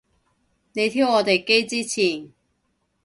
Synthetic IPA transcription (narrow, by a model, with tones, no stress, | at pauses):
ne˨˧jt̪ʰiː˥wɔː˨˧t̪e˨jke˥jt͡siː˥t͡sʰiː˨˩n